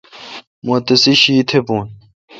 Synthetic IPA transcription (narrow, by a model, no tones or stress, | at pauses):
mot̪ɐsiɕiːt̪ʰebuːn